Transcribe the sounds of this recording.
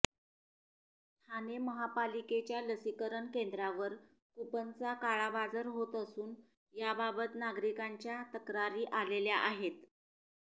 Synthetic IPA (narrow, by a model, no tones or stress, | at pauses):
t̪ʰaneməɦapaliket͡ɕjaləsikəɾəɳkend̪ɾaʋəɾ | kupənt͡sakaɭabad͡zəɾɦot̪əsuːn | jababət̪naɡɾikaɲt͡ɕjat̪əkɾaɾiːʔaleljaʔaɦet̪